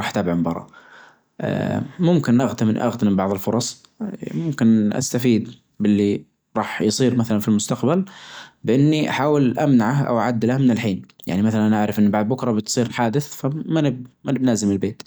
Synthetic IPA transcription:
ɾˤɑːħt̪aːbʕɪmbɑ̰ɾˤɑ̰ | ʔmʊmkɪnʔaɣt̪amɪnʔa̰ɣt̪mɪbɑʕðˤɪlfʊɾˤɑsˤ | mʊmkɪnʔa̰st̪afiːd̪ | bɪlːi | ɾˤɑːħjsˤiːɾmaθalanfilmʊst̪aqbalbɪʔɪnːiʔaħaːwɪlʔamnaʕahʔa̰wʔaʕad̪ːlahmɪnɪlħiːnja̰ʕnimaθalanʔaʕɾɪfʔɪnːbɑʕðˤbʊkɾˤɑbɪt̪sˤiːɾħaːd̪ɪθfamanɪbmanɪbnaːzɪmɪlbeːt̪

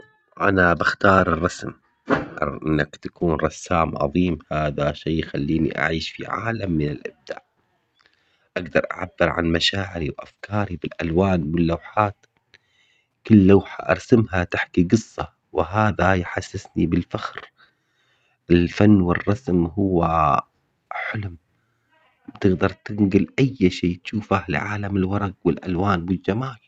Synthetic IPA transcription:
ʔanabaxt̪ɑːɾˤɨrˤːɑsm | ʔʔɪnːakt̪ḁkuːnɾˤɑsːaːmʕɑ̰ðˤiːmhaːðaʃeːxalːiːnḭʔa̰ʕiːʃfḭʕa̰ːlamːɪnɪlʔɪb̚d̪a̰ːʕ | ʔaɡd̪ɑɾˤʔa̰ʕabːɪɾʕa̰nmaʃaːʕɪɾiwʔafkʰɑːɾibɪlʔalwaːnwɪlːawħaːt̪ | kɪlːawħa̰ʔɑ̰ɾˤsamhat̪aħkiɡɨsˤːɑ | wɪɦaːðajħasːɪsnibɪlfaxɾ | ʔɪlfanːwɪrˤːɑsmɦʊwːa | ħʊlm | bt̪ɪɡd̪ɑɾˤt̪ɪŋɡɪlʔajːʃiːt̪ʃuːfalɪ̰ʕaːlamɪlwɑɾˤɑɡwɪlʔa̰lwaːnwɪld͡ʒamaːl

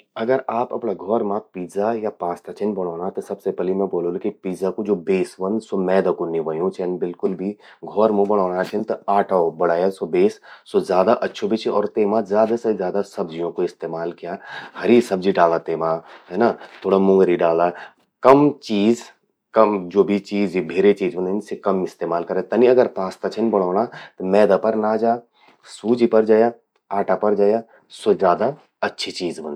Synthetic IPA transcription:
ɐɡəɾaːpɐ̰pɳaɡʱɔːɾmãpiːzajapãːst̪ʰat͡ʃʰɪnbɐɽ̃ɔːɽat̪ɐsɐbsepɛːlimɛ̃boːlõlukipiːzakod͡ʒoːbeːsʋɐnsomɛːd̪akonɪʋəjũt͡ʃʰɐnbɪlkʊlbʱi | ɡʱɔːɾmõbɐɽ̃ɔːɽat͡ʃʰɪnt̪ɐaːʈʰaobɐɽaːjasobeːsːozjaːd̪aʔɐtːʃʰobʱit͡ʃʰiɔːɾt̪eːmãzjaːd̪asezjaːd̪asɐbd͡ʒijõkoɪst̪eːmaːlkijaːhɐɾisɐb̚d͡ʒiɖaːlat̪eːmaːɦɛːnat̪ʰoːɽamʊ̃ŋɡɾiɖaːla | kɐmt͡ʃiːz | kɐd͡ʒoːbʱit͡ʃiːzibʱeːɾet͡ʃiːzbɐnd̪nsekɐmɪst̪eːmaːlkɐɾẽt̪ɐniɐɡəɾpaːst̪at͡ʃʰɐnbɐɽ̤aːɽ̃at̪omɛːd̪apɐɾnaːd͡ʒaː | suːd͡ʒipɐɾd͡ʒaːja | aːʈapɐɾd͡ʒaːja | sozjaːd̪a | ɐtːʃʰit͡ʃiːzbɐn

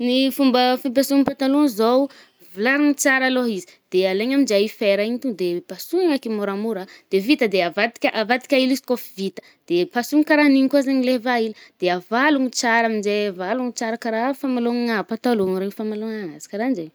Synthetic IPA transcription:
nifumbəfib̬asuŋpat̪aluŋzow | vilaɾaŋit͡saɾaloɦizi̥ | d̪̥ealeɲamind͡ʒajifeɾaiɲit̪ud̪epasuŋakimoɾamuɾad̪̥evit̪əd̪eavat̪i̥kʲʔavat̪i̥kʲailiskofivit̪ə̥ | d̪̥epasuŋikaɾaniŋkuazaɲilevailid̪̥eavaluŋit͡saɾamind͡ʒeavaluŋit͡saɾəkaɾafamaloŋŋapat̪aluŋɾeŋfamaloŋaŋazi̥kaɾand͡ʒeɲ

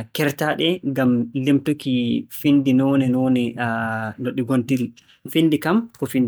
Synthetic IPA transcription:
kɛɾtaɗɛɡamlimtukifindinɔːnɛnɔːnɛ | noɗːiɡontil | findikamkɔfind

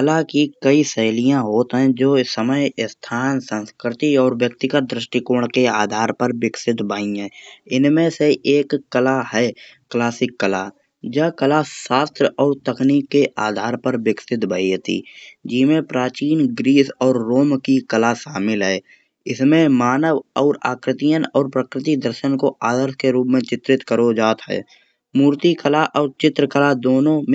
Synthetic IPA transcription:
kəlakikəisɛɦlijãɦoːt̪ɦɛ̃d͡ʒoːsəməjɪst̪ʰaːnsə̃nskɾɪt̪iɔːɾʋjək̚t̪ɪɡət̪̚d̪ɾɪʃʈɪkoːɳ̃keaːd̪ʱaːɾpəɾʋɪksɪt̪baːĩɦɛ̃ːɪnmẽseʔeːkːəlaɦɛːklaːsɪkːəla | d͡ʒəkəlaʃaːst̪ɾəɔːɾt̪əkniːkːeʔaːd̪ʱaːɾpəɾwɪksɪt̪bʱəiət̪ḭːd͡ʒiːmẽpɾaːt͡ʃiːnɡɾiːsɔːɾːoːmkikəlaʃaːmɪlɦɛː | ɪsmẽmaːnəʋɔːɾa̰ːkɾɪt̪ijənɔːɾpɾəkɾɪt̪id̪əɾʃənkoʔaːd̪əɾʃkeɾuːpmẽt͡ʃɪt̪ɾɪt̪kəɾod͡ʒaːt̪ɦɛ̰ː | muːɾt̪ikəlaʔɔːɾt͡ʃɪt̪ɾəkəlad̪oːnõm

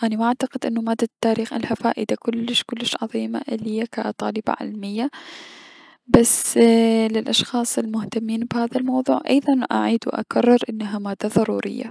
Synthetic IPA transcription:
ʔanamaʔaʕt̪aqɪd̪ʔɪnːʊmaːd̪ːat̪ːaːɾiːxʔalhafaːʔɪd̪akʊlːɪʃkʊlːɪʃʕɑ̰ðˤiːma̰ʔɪlːɪjːakaʔt̪ˤɑːlɪba̰ʕɪ̰lmɪjːa | basːlɪlʔɑʃxɑːsˤɪlmʊht̪amːiːnbhaːðalmɑwðˤuːʕʔɑ̰jðˤɑnʔa̰ʕiːd̪wʔa̰karˤːɪɾʔɪnːaɦamaːd̪ːaðˤɑɾṵːɾɪ̰jːa̰

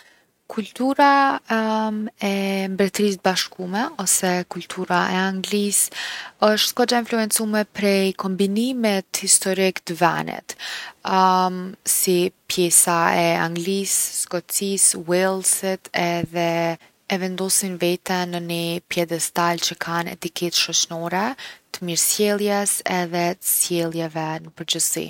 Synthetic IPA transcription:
kʰult̪uɾa | ɛmbɾɛt̪ɾist̪baʃkumɛɔsɛkult̪ʰuɾaʔɛaŋɡlisəʃt̪skɔd͡ʒainfluɛnt͡sumɛpɾɛjkɔmbinimɛt̪hist̪ɔɾikt̪əvɛ̰nɛ̰t̪ | sipjɛsaɛa̰ŋɡliszkɔt͡siswɛlˠsit̪ʰɛðɛ | ɛvɛnd̪ɔsinvɛt̪ɛnənipjɛd̪ɛst̪alt͡ɕəkʰanɛ̰t̪ikʰɛt̪ʃɔt͡ɕnɔɾɛt̪əmiɾsjɛlˠjɛsɛðɛt̪ə̥sjɛlˠjɛvɛnəpəɾd͡ʑəsḭn

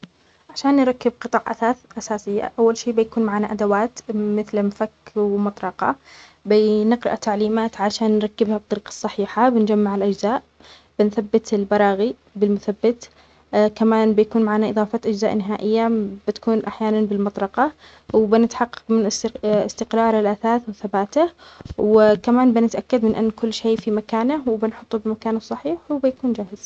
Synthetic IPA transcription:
ʕaʃaːnːɾˤɑkːɪb̚qɨt̪ˤɑːʕʔa̰aːʔasaːsɪjːa̰ʔawːalʃiːbɪjakuːnmaʕaːnaʔad̪awaːt̪mɪθlmfakːwmɑt̪ˤɾˤɑqɑ̰ | bɪnɪqɾɪʔat̪aʕliːmaːt̪ʕaʃaːnːɾˤɑkːɪbhabt̪ˤːɑɾiːqɑ̥sˤːɑħiːħabɪnd͡ʒamːaʕɪlʔad͡ʒzaːʔ | b̥ɪnθabːɪt̪ɪlbɑɾˤɑːɣi | bɪlmʊθabːɪt̪ | kamaːnbɪjakuːnmaʕaːnaʔɨðˤɑːfɑt̪ʔad͡ʒzaːʔnɪɦaːʔɪjːabɪt̪ḁkuːnʔaħjaːnanbɪlmɑt̪ˤɾɑqɑ | wɪbɪnɪt̪ħɑqːɑ̥qmɪnɪst̪ɪqɾˤɑːɾˤɪlʔaθaːθwɪθabaːt̪ahwɪkamaːnbɪnɪt̪ʔakːad̪mɪnʔɪ̰nːkʊlːʃeːfimakaːnawbɪnħʊt̪ˤːubɪmakaːnasˤːɑħiːħwbɪjakuːnd͡ʒaːhɪz̥

